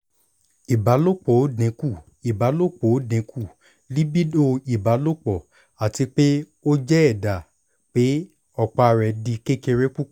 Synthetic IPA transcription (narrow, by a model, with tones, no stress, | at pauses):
i˨ba˨˦lo˦˨k͡po˨˦dĩ˨˦ku˦˨ | i˨ba˨˦lo˦˨k͡po˨˦dĩ˨˦ku˦˨ | li˦bi˦do˦i˨ba˨˦lo˦k͡pɔ˨ | a˨ti˧k͡pe˦ | o˦d͡ʒɛ˦ɛ˦˨da˨ | k͡pe˨˦ | ɔ˦˨k͡pa˨˧˨ɾɛ˨di˧ke˦ke˧ɾe˦ku˦˨˦